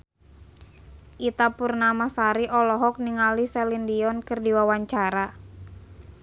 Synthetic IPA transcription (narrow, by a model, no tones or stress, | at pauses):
ʔit̪apurnamasaɾiʔɔlɔɦɔk̚niŋalisɛlindiɔnkɨrdiwawaɲt͡ʃaɾa